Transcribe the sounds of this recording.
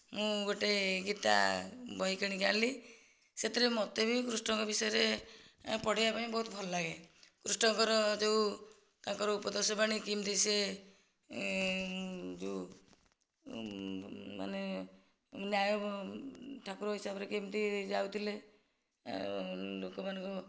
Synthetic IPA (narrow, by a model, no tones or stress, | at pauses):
mũɡoʈeɡit̪a̰bɔɦikaɽ̃iɡali | set̪iɾemɔt̪ebʱikɾusʈɔŋkɔbisɔjeɾe | pɔɽ̤ibapaĩbɔɦut̪bʱɔlɔlaɡekɾusʈɔŋkɔɾɔd͡ʒew | kãŋkɔɾɔupɔd̪ɔɾsɔpaɽ̃ikimt̪ise | d͡ʒe | ma̰ne | njajɔ | ʈʰakuɾɔɦisabɔɾekimt̪id͡ʒawt̪ʰilḛ | lokɔmanɔŋku